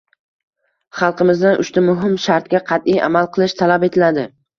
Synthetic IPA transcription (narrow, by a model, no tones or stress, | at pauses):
χɑlˠqɨmɪzd̪anʔʊ̰ʃt̪amʊɦɪmʃaɾt̪̚kʲaqʰɑt̪ijʔa̰malˠqʰɨlˠɪʃt̪ʰalape̞t̪ʰɪlad̪ɪ